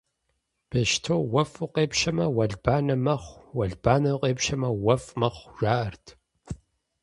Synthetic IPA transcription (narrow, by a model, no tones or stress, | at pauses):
b̥eʃtʰoːwɐfɨqʼeːpʃɐmɐwɐɮb̥aːnɐmɐχʷwɐɮbaːnɐqʼeːpʃɐmɐwɐfmɐχʷʒaːʔɐrtʰ